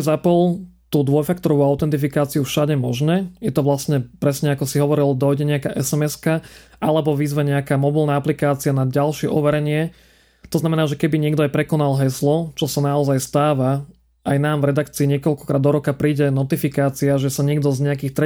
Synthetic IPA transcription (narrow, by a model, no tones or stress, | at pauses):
zapɔlt̪uːd̪ʋɔjfakt̪ɔɾɔʋuaʊt̪ɛnt̪ifikaːt͡siufʃaɟɛmɔʒnɛːjɛt̪ɔʋlasɲɛpɾɛsɲɛakɔsiɦɔʋɔɾild̪ɔjɟɛɲɛakaːʔɛsɛmɛskaʔalɛbɔʋiːzʋaɲɛakaːmɔbilˠnaaplikaːt͡sianaɟalʃɪɛʔɔʋɛɾɛɲɪɛ | t̪ɔznamɛnaːʒɛkɛbiɲɪɛɡd̪ɔajpɾɛkɔnalɦɛslɔt͡ʃɔsanaɔzajst̪aːʋa | ʔajnaːmvɾɛd̪akt͡siːɲɪɛkɔlkɔ̥kɾaːd̪ːɔɾɔkapɾiːɟɛnɔt̪ifikaːt͡siaʒɛsaɲɪɛɡd̪ɔzɲɛakiːxt̪ɾɛ